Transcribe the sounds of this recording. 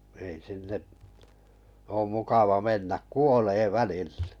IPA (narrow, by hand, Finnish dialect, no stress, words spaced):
ei sinːeʔ oːm mukɑʋɑ menːæ kuoleː ʋælilːe̥